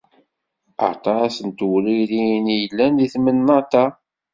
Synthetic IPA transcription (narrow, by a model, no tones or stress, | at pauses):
ə̰t̪ˤɑæsənt̪wliɾinjəlːænðiθmənːɑt̪ɑ